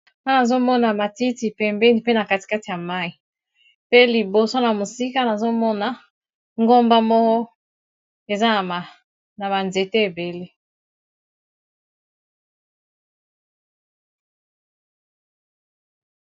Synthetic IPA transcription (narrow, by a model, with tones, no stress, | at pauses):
na˦na˨zo˦mɔ˦na˨ma˨ti˦ti˨pɛ˨mbɛ˦ni˨pe˦na˨ka˦ti̥˨ka˦ti˨ja˨ma˦i˨ | pe˦li˨bo˨so˦na˨mo˨si˦ka˦na˨zo˦mɔ˦na˨ | ŋɡo˦mba˦mɔ˦kɔ˦ | e˨za˦na˨ma˨ | na˨ma˨nze˨te˦e˨be˨le˦